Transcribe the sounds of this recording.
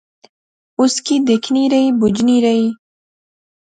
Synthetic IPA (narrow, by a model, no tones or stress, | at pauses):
ʊskid̪ekʰniɾajbʊd͡ʒniɾai